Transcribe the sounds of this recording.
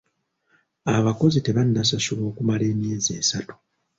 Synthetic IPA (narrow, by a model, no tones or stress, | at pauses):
aβako̞zite̞βanːasasuβo̞ːkumale̞ːmjeːze̞ːsatu̥